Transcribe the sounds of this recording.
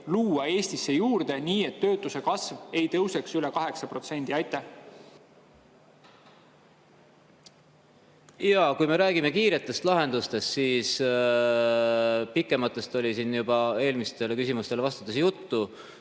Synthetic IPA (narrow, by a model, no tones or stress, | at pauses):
luːɑe̞ːst̪isːejuːɾd̪̥e̞niːe̞t̪ːø̞ːt̪ːˑuse̞kɑsve̞jt̪ɤwse̞ksylɛkɑɦe̞ksɑpro̞t̪se̞nd̪iɑjt̪ːˑe | jɑkujme̞ɾæːɡime̞kiːɾe̞t̪ːˑe̞st̪lɑɦe̞nd̪̥ust̪e̞st̪siːs | pikːˑe̞mɑt̪ˑːe̞st̪o̞lʲisinjub̥ɑe̞ːlmist̪e̞lekysimust̪e̞levɑst̪u̥t̪ːˑesjut̪ːu